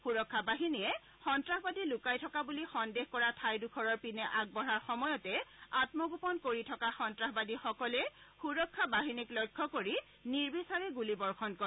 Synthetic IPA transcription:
xuɹɔkʰːabaɦinijɛ | xɔntɹahbadilʊkajtʰɔkabulixɔndexkɔɹatʰajdukʰɔɹɔɹpinɛʔaɡ̚bɔɹaɹxɔmɔjɔtɛatmɔɡupɔnkoɹitʰɔkaxɔntɹaɦbadixɔkɔlɛxuɹɔkʰːabaɦiniklɔjkʰːɔkoɹi | niɹbisaɹɛɡulibɔɹxʰɔnkɔ

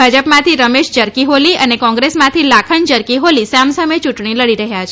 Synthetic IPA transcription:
bʱad͡ʒəpmãt̪ʰiɾəmeʃd͡ʒəɾkiɦoliənekɔ̃ŋɡɾesmãt̪ʰilakʰənd͡ʒəɾkiɦolisamsəmət͡ʃuʈɳiləɽiɾəɦjat͡ʃʰ

